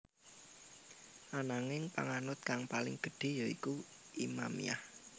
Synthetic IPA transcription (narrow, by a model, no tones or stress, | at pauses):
ʔanaŋɪŋpa̰ŋanʊt̪̚kaŋpalɪŋɡ̥ə̤ɖ̥e̤jɔiku | ʔimamḭa̰h